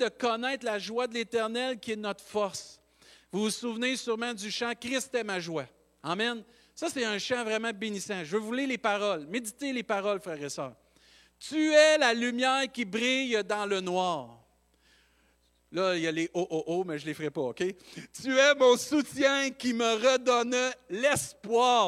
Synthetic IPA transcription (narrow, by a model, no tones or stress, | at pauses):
d̪əkɔnɛɪt̪laʒwad̪əlet̪ɛʁnɛlkʲiɛnɔt̪χfɔʁs | vuvusuvnesyʁmɑ̃d̪yʃãkʲʁɪst̪ɛmaʒwa | amɛn | sʌsɛɛ̃ʃãvʁɛmãbenisãʒəvøvulilepaʁɔlmedd͡zit̪elepaʁɔlfʁɛːʁesœ̰ːʁ | t̪yɛlalymjɛːʁkʲibʁijd̪ɑ̃lənwɑːʁ | lʌjaleʔoʔoʔomɛʒəlefəʁɛpɔokʲet̪yɛmɔ̃sut͡sjɛ̃kʲiməʁəd̪ɔnlɛspwɑː